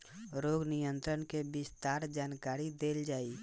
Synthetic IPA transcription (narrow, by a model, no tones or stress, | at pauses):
ɾoːɡnijə̃nt̪ɾənkebɪst̪aːɾd͡ʒaːnkaːɾid̪eːld͡ʒaːi